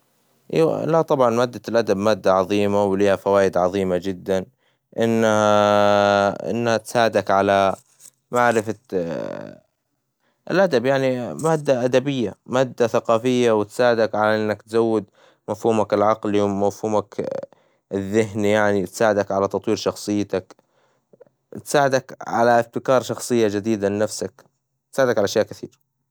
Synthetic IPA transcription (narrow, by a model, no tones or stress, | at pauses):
ʔḭw̰lat̪ˤɑbʕɑnmaːd̪ːalʔad̪abmaːd̪ːaʕɑðˤiːmawliːhafawaːjɪd̪ʕɑðˤiːmad͡ʒɪd̪ːan | ʔɪnːaa | ʔɪ̰nːhat̪saːʕɪd̪akʕala | maʕɾɪfa | ʔɪ̰lʔad̪abjaʕnimaːd̪ːaʔad̪abɪjːamaːd̪ːaθaqɑːfɪjːawɪt̪saːʕɪd̪akʕalaʔɪnːakt̪zawːɪd̪ | mafhuːmakɪlʕɑqliwmafhuːmak | ɪðːɪɦnijaʕnit̪saːʕɪd̪akʕalat̪ɑt̪ˤwiːɾʃɑxsˤɨjːt̪ak | t̪saːʕɪd̪akʕa̰laʔɪft̪ɪkɑːɾˤʃɑxsˤɨjːad͡ʒɪd̪iːd̪alnafsak | t̪saːʕɪd̪akʕalaʃjaːʔkɪθḭːɾa